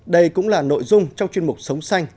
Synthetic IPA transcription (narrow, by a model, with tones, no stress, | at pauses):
ɗə˧jkʊ̰˧˥ŋ͡mlaː˨˩no̰˧˨jzʊ˧ŋ͡mt͡ɕɔ˧ŋ͡mt͡ɕwi˧ənmʊ˨˩k͡p̚sə˨˦wŋ͡msa˧jŋ